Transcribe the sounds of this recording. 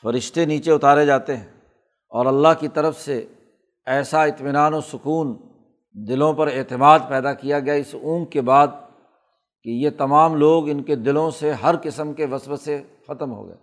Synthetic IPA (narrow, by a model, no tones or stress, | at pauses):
fɐɾɪʃt̪eniːt͡ʃeʊt̪aːɾed͡ʒaːt̪eɦɛ̃ː | ɔːɾɐlːaɦkit̪ɐɾəfse | ɛːsaɪt̪mɪnaːnosʊkuːn | d̪ɪlõpɐɾeːt̪ɪmaːd̪̚pɛːd̪akijaɡɐjaɪsũːkebaːd̪̚ | kejet̪ɐmaːmloːɡɪnked̪ɪlõseɦɐɾkɪsəmkeʋɐsʋəse | xɐt̪əmɦo̰ɡɐ̰ja̰ː